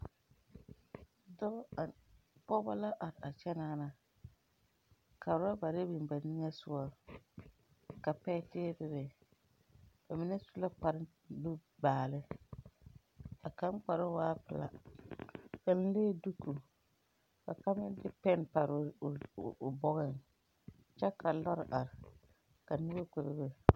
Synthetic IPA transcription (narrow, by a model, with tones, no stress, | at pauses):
dɔ˦˨pɔ˦ba˦la˦ʔa˨ɾa˨t͡ʃɛ˦naː˦na˨ | ka˨ʊ˨ɾa˦ba˨ɾe˦bi˨n˨ba˨ni˦ŋa˦sʊ˦ɔ˦ | ka˨pɛ˦tɪː˦bɪ˦bɛ˨ | b̥a˨mɪ˦nɛ˦su˦la˦k͡pa˨ɾɪ˦ | lu˦baː˨lɪ˦ | a˨ka˦n˦k͡pa˨ɾɪ˦waː˦pɪ˨la̰˨ | ka˨n̩˦leː˦˨du˦kʰːu˨ | ka̰˨ka˦mɪ˦dɪ˦pɛ˦npa˨ɾɪ˨bɔ˦ɣɪ˨n | t͡ʃɛ˦kʰa˨lɔ˦ɾɪ̰˨ʔa˨ɾɪ˨ | ka˨nʊ˦ba˦ku˨ɾɪ˨bɛ˦